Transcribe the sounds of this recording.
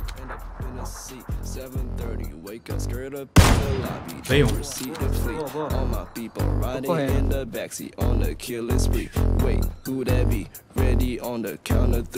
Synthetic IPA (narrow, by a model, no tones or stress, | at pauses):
ɨ̃nəɪ̃nə | isɛvɨ̃nθɜ˞ɾḭweɪkʌskɛɹɾʌpa̰bḭeəsiɾɨ̥fliɔlˠmaɪpipəl̩ˠɹaɪɾɪ̃ŋɪ̃nðəbæksḭʔə̃nðɨkʰɪlɪsfɹiweɪt̚uɾabi | ɹɛɾiə̃nðɨkʰãʊ̃nəθ